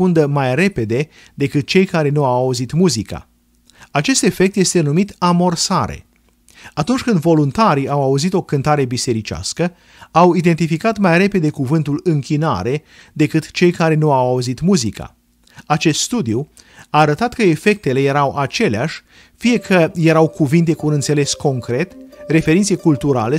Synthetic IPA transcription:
und̪əmajre̞pe̞d̪e̞ | d̪e̞kɨt̪̚t͡ʃe̞jkaɾe̞nuawauzit̪muzika̰ | at͡ʃe̞st̪e̞fe̞kt̪je̞st̪e̞numit̪amo̞rsaɾḛ | at̪unt͡ʃʲkɨnd̪vo̞lunt̪aɾiawauzit̪o̞kɨnt̪aɾe̞bise̞ɾit͡ʃa̰skə | awid̪e̞nt̪ifikat̪majre̞pe̞d̪e̞kuvɨnt̪ulɨŋkʲina̰ɾe̞ | d̪e̞kɨt̪t͡ʃe̞jkaɾe̞nuawauzit̪muzika̰ | at͡ʃe̞st̪st̪ud̪iu | aːɾət̪at̪kəe̞fe̞k̚t̪e̞le̞je̞ɾawʔat͡ʃe̞leaʃʲ | fije̞kʰəje̞ɾawkuvint̪e̞kuːnɨnt̪se̞le̞sko̞ŋkɾe̞t̪re̞fe̞ɾint̪sekult̪uɾa̰le̞

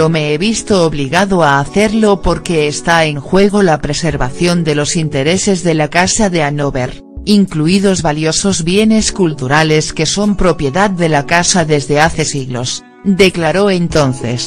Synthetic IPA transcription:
omeeβist̪oːβliɣaðoaːθe̞ɾlopoɾke̞ːst̪aeŋxwe̞ɣ̞olapɾe̞seɾβaθjo̞nd̪e̞lo̞sint̪e̞ɾe̞se̞zðe̞lakasaðe̞anoβeɾ | iŋkluið̞ozβaljoso̞zβje̞ne̞skult̪uɾale̞ske̞so̞mpɾo̞pje̞ðað̚d̪e̞lakasaðezðe̞aθe̞siɣlo̰s | d̪e̞klaɾoe̞nt̪o̞n̟θe̞̰s

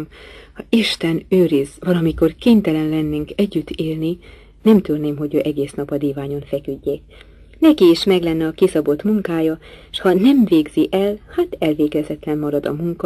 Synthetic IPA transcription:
mhɒiʃt̪ɛnøːɾizvɒlɒmiko̞rkeːɲt̪ɛlɛnlɛnːeŋkɛɟːyt̪ːeːlni | nɛmt̪ørneːmɦo̞ɟøːʔɛɡeːsnɒpɒd̪iːvaːɲo̞nfɛkyɟːeː | nɛkiːʃmɛɡlɛnːɛɒkisɒbo̞t̪muŋkaːjɒʃhɒnɛmveːɡziʔɛlhaːt̪ɛlveːɡɛzɛt̪lɛmːɒɾɒd̪ɒ̰muŋkɒ

